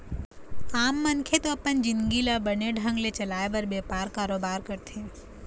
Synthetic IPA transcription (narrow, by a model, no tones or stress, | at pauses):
aːmːɐnkʰet̪oɐpənd͡ʒɪ̃nɡilabɐneɖʱə̃ŋɡlet͡ʃɐlaːebɐɾbeːpaːɾkaːɾoːbaːɾkɐɾt̪ʰẽ